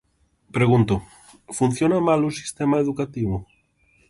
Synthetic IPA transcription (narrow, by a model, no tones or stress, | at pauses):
pɾeɣunt̪o | fun̟θjonamalusi̥st̪emaeðukat̪iβo